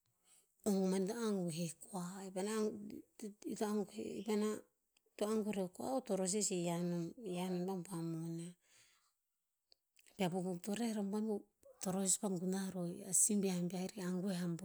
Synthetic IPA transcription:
oŋɡumantoaŋɡuɦekoaibana | itoaŋɡuhḛḭbana | toaŋɡuɾekoa̰otoɾos̬isejanojanombambamona | biabobotoɾeɾambamu | toɾosispaŋɡunaɾoja̰simbiaambiaiɾiaŋɡuehamb

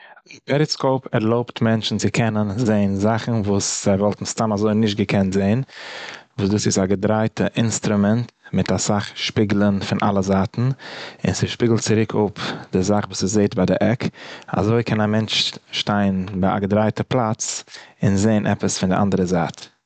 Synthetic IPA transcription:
ɪnpɛɾɪskoʊpɛɾlˠoʊptmɛnt͡ʃn̩t͡sɪkʰɛnənzeɪnzaχn̩vuːsz̥aɪvɔlˠtn̩staːnazoɪnɪʃ̬t̚ɡəkʰɛntz̥eɪn | vuːsduːsɪsaɡədɾaɪtəʔɪnstɾʊmɛntmɪtasaχʃpiːɡlˠənfɪnʔa̰lˠəzaːtn̩ɪ̰nsɪʃpiːɡl̩ˠtt͡sɪɾɪkʰʊpdɪzaχvuːsɪzeɪtbaɪdɪʔɛka̰zoɪkʰɛnamɛnt͡ʃʃtaɪnbaɪa̰ɡədɾaɪtəplˠat͡sɪnzeɪnʔɛ̰pəsfɪndɪʔa̰ndəɾəzaːt

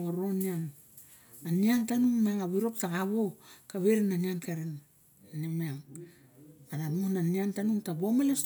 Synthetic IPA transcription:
oɾonian | aniantanuŋmaaŋaβiɾo̞ktaɡaβokaβeɾinaniankaɾin | nimiaŋ | anamuhnaniantanuŋtabomalas

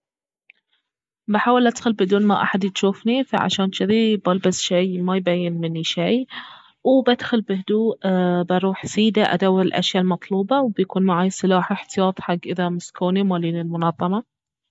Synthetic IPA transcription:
baħaːwɪlʔad̪xʊlbɪd̪uːnmaʔa̰ħad̪jɪt̪ʃuːfnifa̰ʕa̰ʃaːnʃt͡ʃɪðibalbasʃijmajbajːɪnmɪnːiʃij | wbad̪xʊlbɪhd̪uːʔbɑɾˤuːħsiːd̪aʔa̰d̪awːɪɾɪlʔa̰ʃjalmɑt̪ˤluːbɑwbjakuːnmaʕaːjsˤɨlaːħaħt̪ɪjɑːt̪ˤħaɡːʔɪðamɪskuːnimaːliːnɪlmʊnɑðˤːɑmɑ

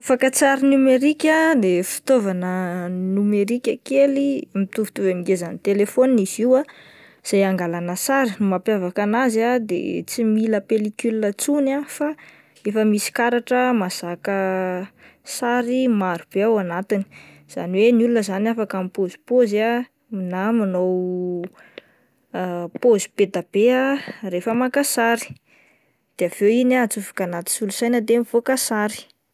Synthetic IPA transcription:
afakət͡saɾinumeɾikʲəd̪efi̥t̪ovanənumeɾikʲəkelimit̪uvi̥t̪uvamiɡezanit̪elefoniniziwa | z̥ajaŋɡalanəsaɾinumapjavakanazad̪ḛt͡similəpelikylinət͡sunafa | efəmisi̥kaɾaʈ͡ʂəmaz̥akə | saɾimaɾub̥eawanat̪ini̥ | z̥a̰niwenulunəzanafakamipozipoza | minamanow | pozib̥ed̪ab̥earefəmakasaɾi̥ | d̪̥eav̥ewinat͡suvi̥kanat̪i̥sulusajnəd̪emiv̥okasaɾi̥

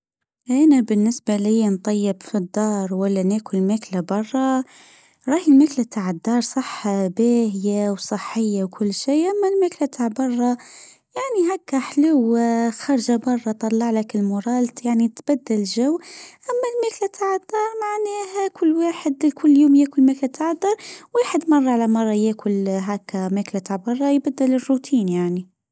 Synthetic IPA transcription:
ʔænabɪnːɪsbaljːnt̪ˤɑjːɪbfid̪ːɑːɾˤwælːænæːkʊllmæːklabɑrˤːɑ | ɾˤɑːhilmæklat̪ʰaʕəd̪ːɑːɾˤsˤɑħːbæːhɪjawsˤɨħːɪjːawkʰʊlːʃiːʔæmːælmæːklat̪ʰaʕbɑrˤːɑ | jaʕniɦækːæħluwxɑɾˤʒabɑrˤːɑt̪ˤɑlːɑʕlakɪlmʊɾˤɑːlt̪jaʕnit̪b̥æd̪ːɪlʒæwːʔæmːælmæːklat̪ʰaʕad̪̥ːɑːɾˤmaʕnæːhækʰʊlːwaːħəd̪kʊlːjuːmjæːkʊlmæːklæt̪ʰaʕad̪ːɑɾˤwaːħəd̪mɑrˤːɑʕalamɑrˤːɑjæːkʰʊlɦækːæmæklat̪aʕbɑrˤːɑjbæd̪ːælɪrːut̪ʰiːnjaʕni

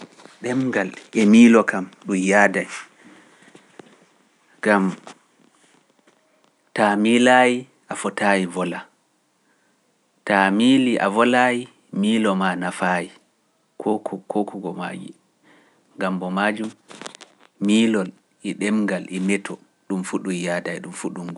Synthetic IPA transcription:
ɗɛmɡalʔɛmiːlɔkamɗumjaːdaj | ɡam | tamilaːji | ʔafɔtajivɔla | tamiliʔa̰vɔlaji | miːlɔmanafaːji | kʰɔkkɔkuɡɔma̰d͡ʒḭ | ŋɡambɔmad͡ʒum | miːlɔl | ʔɛɗɛmɡalʔɛmɛtʰɔ | ɗumfuɗujaːdajɗumfuɗumɡ

